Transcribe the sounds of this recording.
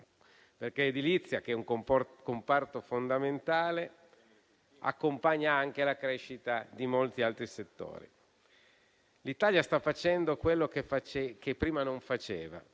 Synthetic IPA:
perkeed̪ilit̪sːjak̟ɛuŋkkompart̪ofond̪ament̪aːle | a̰kːompaɲːaaŋk̟elakɾeʃit̪ad̪imolt̪ialt̪ɾiset̪ːo̰ːɾḭ | lit̪aljast̪afːat͡ʃɛnd̪okwelːokefat͡ʃkepːɾiːmanoɱfat͡ʃeːva̰

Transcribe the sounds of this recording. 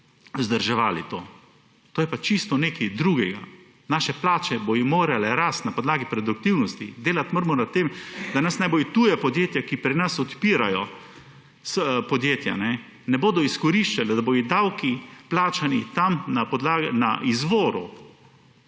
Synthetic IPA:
zd̪əɾʒɛʋaːlḭt̪o̰ː | t̪oːjɛpat͡ʃist̪ɔneːkid̪ɾuːɡɛɡa̰ | naːʃɛplaːt͡ʃɛbojimoːɾalɛɾast̪napɔd̪laːɡipɾɛd̪uk̚t̪iwnɔst̪id̪eːlat̪məɾmɔnat̪emd̪anɐsnajbojit̪uːjapɔd̪jeːt̪jakipɾinɐsɔt̪piːɾajɔ | spɔd̪jeːt̪ja̰nɛ | nɛboːd̪ɔiskɔɾiʃt͡ʃalɛd̪aboːjid̪awkiplaːt͡ʃanit̪amnapɔd̪laːɡnaʔizʋoːɾṵ

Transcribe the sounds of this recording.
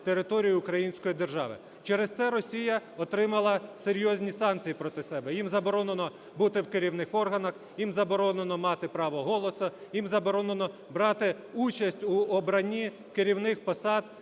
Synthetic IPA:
t̪eɾɪt̪ɔɾʲijʊːʊkɾɐjinʲsʲkɔjid̪erʒɑ̰ʋɪ̰ | t͡ʃɛɾɪst̪sɛɾɔsʲijɐɔt̪ɾɪmɐlˠɐseɾʲjɔzʲnʲisɑnk̪t͡sʲijipɾɔt̪ɪsɛbɛjimzɐbɔɾɔnenɔ | but̪ɪwkɪɾʲiwnɪxɔrɦɐnɐx | jimzɐbɔɾɔnenɔmɑt̪ɪpɾɑʋɔɦɔlˠɔsɐjimzɐbɔɾɔnenɔ | bɾɑt̪ɪ | ut͡ʃɐsʲtʲuɔbɾɐnʲi | keɾʲiwnɪxpɐsɑd̪̚

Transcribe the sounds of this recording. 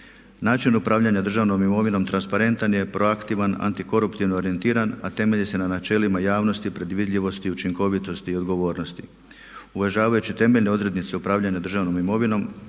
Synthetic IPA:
naːt͡ʃinupɾaːʋʎaɲad̪r̩ʒaʋno̞mimo̞ʋino̞mt̪ɾanspaɾe̞nt̪anje̞pɾʔo̞akt̪iʋana̰nt̪iko̞ɾupt̪iʋnooɾient̪iːɾanat̪e̞me̞ʎise̞nanat͡ʃe̞ːlimajaːʋno̞st̪ipɾe̞d̪ʋid̪ʎʲiʋo̞st̪iut͡ʃiŋko̞ʋit̪o̞st̪iːo̞d̪ɡo̞ʋo̞ːɾno̞st̪ḭ | uʋeʒaːʋajut͡ɕit̪e̞me̞ʎne̞o̞d̪ɾe̞d̪nit̪se̞upɾaːʋʎaɲad̪rʒaʋno̞mimo̞ʋino̞m

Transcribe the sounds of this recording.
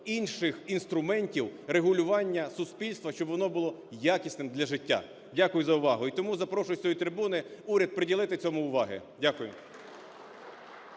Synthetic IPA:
inʃɪxinst̪ɾʊmɛnʲtʲiwreɦʊlʲʊʋɑnʲːɐsʊspʲilʲst̪ʋɐʃt͡ʃɔbʋɔnɔbʊlˠɔjakʲisʲnɪmd̪lʲɐʒɪtʲːa̰ | dʲakʊjʊzɐʊʋɑɦʊit̪ɔmuzɐpɾɔʃʊjsʲɔjit̪ɾɪbunɪuɾʲɐd̪̚pɾedʲilˠɪt̪ɪt͡sʲɔmʊʊʋɑɦɪ̰ | dʲakʊjʊ

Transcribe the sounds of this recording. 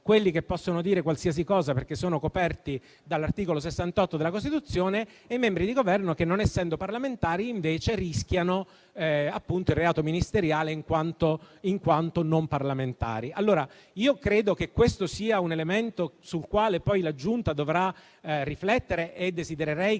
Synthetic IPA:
kwelːikepːɔsːonod̪iːɾekwalsias̬ikɔːzaperk̟esːoːnokopɛrt̪i | d̪alːart̪iːkolos̬esːant̪ɔt̪ːod̪elakost̪it̪ut̪sːjoːneː | jmɛmbɾid̪iɡovɛrnokenːonɛsːɛnd̪oparlament̪aːɾiːɱveːt͡ʃeriskjano | apːunt̪oilrːeaːt̪ominist̪eɾjaːleiŋkwant̪oiŋkwant̪onomparlament̪a̰ːɾialːoːɾa | iːokɾeːd̪okekːwest̪osiːaunelement̪osulkwaːlepɔjlad͡ʒunt̪ad̪ovɾa | rːiflɛt̪ːeɾeʔed̪ːezid̪eɾeɾɛj

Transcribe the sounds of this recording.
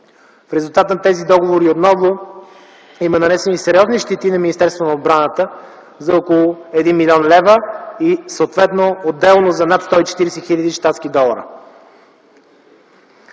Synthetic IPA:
fɾɛzulˠt̪at̪ənt̪ɛzid̪ɔɡovoɾiot̪nɔvo | imənɐnɛsɛnisɛɾʲiɔzniʃt̪it̪inɐminist̪ɛɾst̪vonɐod̪̚bɾanət̪ə | zɐɔkolˠʊɛd̪inmilʲiɔnlɛvəisəot̪vɛt̪nood̪ːɛlˠnozɐnat̪st̪ɔit͡ʃɛ̥t̪iɾɛsɛxilʲəd̪iʃt̪at̪skid̪ɔlˠəɾə̰

